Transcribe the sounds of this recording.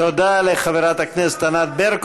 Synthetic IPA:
od̪alexɐbeɾaːt̪ɐkʰnest̪ɐnaːt̪̚beɾk

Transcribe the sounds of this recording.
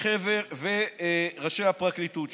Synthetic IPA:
χeveʁveʁaʃehapʁaklit̪ut̪

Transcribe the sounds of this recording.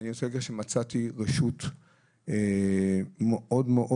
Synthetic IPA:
niot͡seeɡeʃemat͡sat̪iʁeʃut | e | meʔodmeʔo

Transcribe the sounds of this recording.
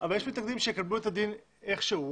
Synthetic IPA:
ʔavaljeʃmitnaɡd̪imʃejekabluet̪ad̪in | e̞χʃeu

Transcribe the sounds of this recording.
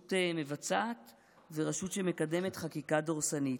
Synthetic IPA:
teme̞vat͡saːt | veʁaʃutʃeme̞kade̞me̞tχakikadoʁsanit

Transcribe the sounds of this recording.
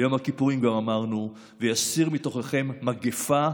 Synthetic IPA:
jo̞mhakipuʁimɡamamaʁnu | vejasiʁmito̞χeχe̞mːaɡefa

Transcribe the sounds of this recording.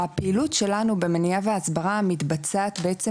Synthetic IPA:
hapeilut̪ʃe̞lanube̞menijaveasbaʁamit̪bat͡saːt̪beʔet͡se

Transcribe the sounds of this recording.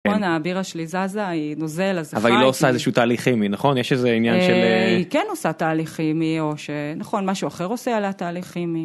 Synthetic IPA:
onaːbiʁaʃlizazaino̞zelazavalilo̞osaezeʃuːt̪aːliχiminaχo̞njɛʃezeinjanʃeleikenosat̪aːliχimio̞ʃenaχo̞nmaʃuaχe̞ʁo̞sealat̪aːliχimi

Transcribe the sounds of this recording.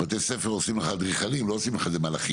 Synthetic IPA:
at̪esefeʁosimleχad̪ʁiχalimloosimleχazemalaχi

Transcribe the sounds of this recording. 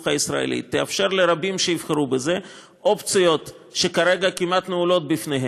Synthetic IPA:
χaisɾa̰ḛlḭt̪ːia̰fʃe̞ɾleɾabimʃeivχeɾubeze | ʔopt͡sijo̞t̪ | ʃekaɾeɡakimat̪neulo̞t̪̚bifneɦe

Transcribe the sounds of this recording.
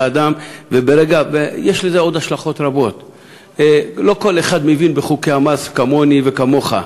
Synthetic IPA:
ad̪amvebe̞ɾeɡavejeʃlezeo̞d̪aʃlaχo̞t̪ɾabo̞t̪ | lo̞ko̞leχad̪mevinbeχukeamaskamo̞nive̞kamo̞χa̰

